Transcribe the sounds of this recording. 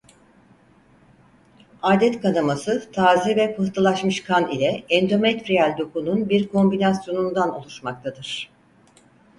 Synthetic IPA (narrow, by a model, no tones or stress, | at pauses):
aːd̪ɛt̪kʰanamasɯt̪ʰaːzɛvɛpʰɯht̪ʰɯlˠaʃmɯʃkʰanilʲɛɛnd̪o̞mɛt̪ɾialʲd̪o̞kununbiɾkʰo̞mbinasjo̞nund̪anolˠuʃmak̚t̪ʰad̪ɯɾ̥